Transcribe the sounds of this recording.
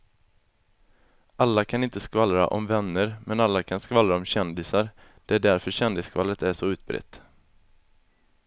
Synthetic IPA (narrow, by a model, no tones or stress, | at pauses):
ʔalːakʰanɪnt̪əskvalɾa̰ʔɔ̰mvɛnːəɾmɛnalːakʰanskvalɾaɔmɕɛnd̪ɪsaɾ | d̪̥ɛæɖæɾfœɾɕɛnd̪ɪskʰvalːət̪æʂɔʉ̟ːt̪̚bɾɛ̰t̪ː